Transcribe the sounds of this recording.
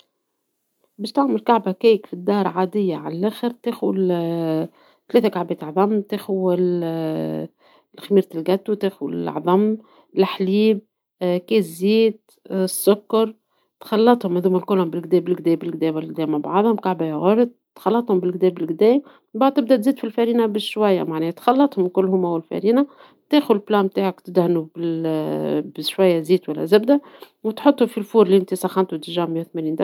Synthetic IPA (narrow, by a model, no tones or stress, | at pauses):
bɪʃt̪aʕmʊlkaʕbakeːkfid̪ːɑːɾˤʕaːd̪ɪjːaʕalalʔæːxɪɾt̪eːxʊw | t̪aleːθakaʕbeːt̪ʕðˤɑmːt̪eːxʊwɪl | xamiːɾt̪ɪlɡæt̪ːut̪eːxwl̰ʕðˤɑmː | lħliːb̚ | keːziːd̪̚ | sːʊkːɑɾˤ | t̪xɑlːɑt̪ˤhʊmðuːmɪlkʊlːhʊmbɪlɡd̪ɛːbɪlɡd̪ɛːbɪlɡd̪ɛːmɪlɡ̚d̪ɛːmabaʕd̪ˤhʊmkaʕbæjɣʊɾˤd̪̚ | t̪xɑlːɑt̪ˤhʊmbɪlɡd̪ɛːbɪlɡd̪ɛːm | baʕd̪̚t̪ɪbd̪æt̪ziːd̪filfæɾiːnabɪʃwæjːa̰maʕnɛːht̪xɑlːɑt̪ˤhʊmlkʊlːɦʊmæwɪlfæ̰ɾiːna | t̪eːxʊd̪plɑːmt̪aːʕakt̪ɪd̪hanubɪl | bɪʃwæjːaziːt̪wælːæ̰zɪbd̪æ | wɪt̪ħʊt̪ˤːʊfilfuːɾliʔɪnt̪isɑxɑnt̪ut̪ʒaːmjawθmæniːnd̪a